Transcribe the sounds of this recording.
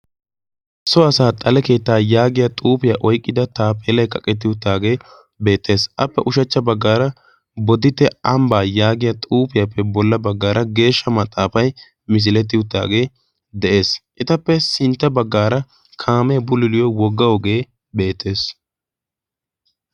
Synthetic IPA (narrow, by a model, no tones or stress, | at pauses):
sɔɐsaːt̪ʼɐlɛke̞ːt̪ːaːjaːɡɪjat̪ʼuːpɪjaʔɔjkʼːɪd̪ɐt̪aːpeːlɐjkɐkʼːɛt̪̬ːɪʊt̪ːaːɡe̞ː | be̞ːt̪ʰːe̞ːsʔɐpːɛʔʊʃɐt͡ʃːɐbɐɡːaːɾɐ | bɔd̪ɪt̪ːɛɐmbaːjaːɡɪjat̪ʼuːpɪjapːɛbɔlːɐbɐɡːaːɾɐɡe̞ːʃːɐmɐt̪ʼːaːfɐj | mɪs̬ɪlɛt̪̬ːɪjʊt̪ːa̰ːɡe̞ː | d̪ɛʔe̞ːsʔɪt̪ɐpːɛsɪnt̪ːɐbɐɡːaːɾɐ | kʰaːmɛbʊlɪlɪjɔwɔɡːɐwɔɡe̞ː | be̞ːt̪ʰːe̞ːs